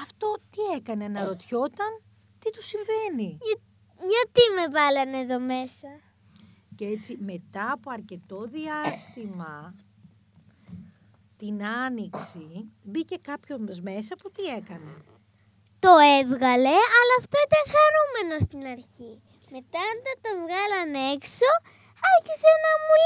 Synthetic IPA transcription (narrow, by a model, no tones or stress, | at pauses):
ɐft̪o̞t̪ie̞kɐnenɐɾo̞t̪ço̞t̪ɐn | t̪it̪usiɱve̞ni | ɲɐt̪ime̞vɐlɐneðo̞me̞sɐ | ceet͡sime̞t̪ɐːpoɐɾce̞t̪o̞ðiɐst̪imɐ | t̪inɐniksibice̞kɐpço̞zme̞s̬ɐput̪ie̞kɐne | t̪o̞evɣɐle̞ɐlɐːft̪o̞it̪ɐŋxɐɾume̞no̞st̪inɐɾçi | me̞t̪ɐːnd̪ɐt̪ɐvɣɐlɐne̞kso̞ | ɐçisenɐmul